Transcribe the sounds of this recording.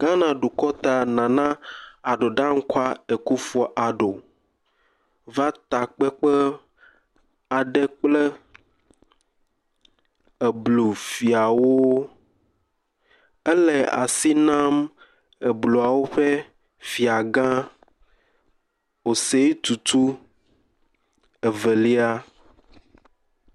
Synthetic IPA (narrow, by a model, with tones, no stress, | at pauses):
ɡ̥ã˦nã˨ɖu˨kɔ˦t̪a˨nã˨nã˦a˨ɖo˨ɖã˦ŋ̩˦ka˦e˨ku˦fɔ˦ʔa˨ɖo˨ | va˦t̪a˨k͡pɛ˦k͡pɛ˦ | a˨ɖɛ˦k͡plɛ˦ | e˨blu˨fi˨a˨wo˦ | ɛ˦lɛ˨a̰˨si˦nã˦m | e˨blo˨a˨wo˦ɸe˦ | fi˨a˨ɡã˦ | o˨se˦t̪u˨t̪u˦ | ɛ˨vɛ˨li˦a˦